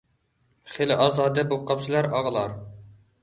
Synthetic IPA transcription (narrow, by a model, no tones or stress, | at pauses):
χelɪʔɑːzɑːd̪ɛbuqʰɑpsɨlˠɑɾɑʁəlˠɑɾ